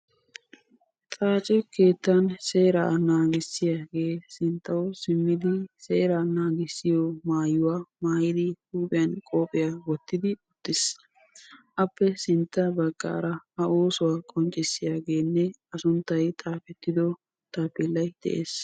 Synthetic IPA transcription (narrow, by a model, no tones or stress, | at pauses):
t̪ʼaːt͡ʃʼɛke̞ːt̪ːɐnse̞ːɾa̰ːnaːɡɪsːɪjaːɡe̞ːsɪnt̪ːɐwɔsɪmːɪd̪ɪse̞ːɾanaːɡɪsːɪjɔmaːjʊwaːmaːjɪd̪ɪhuːpʼɪjɐnkʼoːpʼɪjaːwɔt̪ːɪd̪ɪʊt̪ːɪs | ʔɐpːɛsɪnt̪ːɐbɐɡːa̰ːɾɐɐʔoːsʊwaːkʼɔnt͡ʃʼɪsːɪjaːɡe̞ːnːɛ | ɐsʊnt̪ːɐjt̪ʼaːfɛt̪ːɪd̪ɔ | t̪ʼaːpɪlːɐjd̪̥ɛ̰ʔeːs